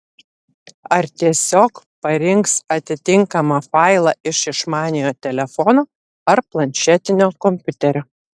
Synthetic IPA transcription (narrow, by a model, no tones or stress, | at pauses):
ɐɾt̪ʲiɛsʲoːk | pɐɾʲɪŋksɐt̪ʲɪt̪ʲɪŋkɐmɐfɑˑɪlˠɐʔɪʃɪʃmɑːnʲɪjoːt̪ʲɛlʲɛfɔnoː | ɐɾplˠɐnʲʃʲɛt̪ʲɪnʲoːkɔmʲpʲʊt̪ʲɛɾʲoː